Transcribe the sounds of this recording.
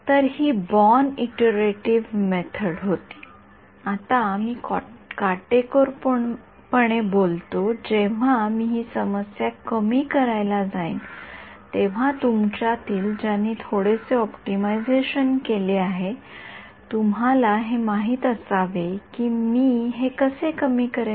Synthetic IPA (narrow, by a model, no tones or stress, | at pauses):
t̪əɾɦiːbɔniʈəɾeʈiʋmet̪ʰəɽɦot̪i̥ː | at̪amiːkkaʈekoɾp | pəɳ̃ebolt̪od͡ʑeʋ̤amiːɦiːsəməsjakəmiːkəɾajlad͡zaḭn | t̪eʋ̤at̪umt͡ɕat̪iːld͡ʑanːiːt̪ʰoɽeseɔpʈimajd͡zeɕənkeleaɦe | t̪umalaɦemaɦiːt̪əsaʋekiːmiːɦekəsekəmiːkəɾ